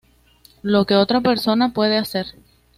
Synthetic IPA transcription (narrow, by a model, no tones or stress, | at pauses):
lo̞ke̞o̞t̪ɾape̞ɾso̞napwe̞ð̞e̞ase̞ɾ